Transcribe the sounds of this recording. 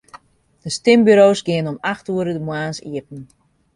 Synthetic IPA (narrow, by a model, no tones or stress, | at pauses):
d̥əstɪmbyɾoːsɡɪənɔmaxtuəɾədəmwaːnsḭəpn̩